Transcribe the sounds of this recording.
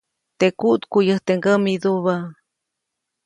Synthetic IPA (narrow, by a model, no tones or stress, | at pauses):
t̪ekuʔt̪kujəht̪eŋɡəmid̪uβa